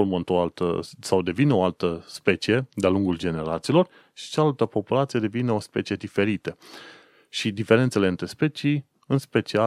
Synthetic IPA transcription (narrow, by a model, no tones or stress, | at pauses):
olmont̪oalt̪ə̰sawd̪e̞vineoalt̪əspe̞t͡ʃije̞d̪ealuŋɡuld͡ʒe̞ne̞ɾat̪siːlo̞r | ʃi̥t͡ʃaalt̪əpo̞pulat̪sije̞d̪e̞vineo̞spe̞t͡ʃije̞d̪ife̞ɾit̪ə | ʃid̪ife̞ɾe̞nt̪se̞leɨnt̪ɾe̞spe̞t͡ʃij | ɨnspe̞t͡ʃia